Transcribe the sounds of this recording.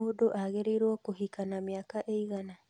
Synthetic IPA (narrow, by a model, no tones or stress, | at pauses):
odoʔaɣeɾeiɾwɔkoɦikanamjakaʔeiɣana